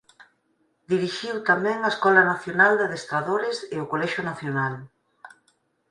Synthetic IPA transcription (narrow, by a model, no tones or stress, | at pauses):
d̪iɾiʃiwt̪amɛ̃ŋaeskɔlɐnaθjonald̪aðest̪ɾaðoɾɪsɪʊkolɛʃʊnaθjonal